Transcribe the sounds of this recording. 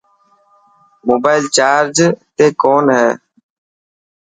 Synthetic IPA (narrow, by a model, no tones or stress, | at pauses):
moːbaːɪlt͡ʃaːɾd͡ʒt̪eːkoːnɦɛː